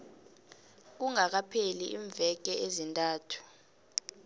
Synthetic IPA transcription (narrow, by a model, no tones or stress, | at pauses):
uŋak̬apʰeliʔiɱb̪vɛk̬ɛʔezintʼaːtʰu̥